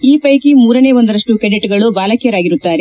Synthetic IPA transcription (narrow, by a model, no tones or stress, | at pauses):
iːpɐjkimuːɾɐne̞ːʋɔnd̪ɐɾɐʂʈukɐɳɖiʈɡɐɭubaːlɐkijɐɾaːɡiɾut̪ːaːɾe